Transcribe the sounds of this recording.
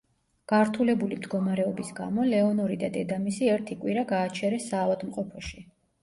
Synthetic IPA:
ɡ̥aɾt̪ʰulɛbulimd̪ɡɔmaɾɛɔbisɡa̰mɔlɛɔnɔɾid̪ad̪ɛd̪amisiɛɾt̪ʰikʼwiɾaɡaːt͡ʃʰɛɾɛsːaːvad̪mqʼɔpʰɔʃi

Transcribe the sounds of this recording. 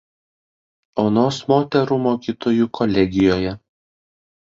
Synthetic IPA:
oːnoːsmoːt̪ʲɛɾuːmoːkʲiːt̪oːjuːkʰɔlʲɛɡʲɪjoːjɛ

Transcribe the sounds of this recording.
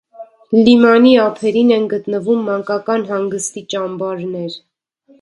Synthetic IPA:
limɑniɑpʰɛɾinɛnɡət̪nəvumːɑŋkɑkɑnɦɑŋɡəst̪it͡ʃɑmbɑɾnɛɾ

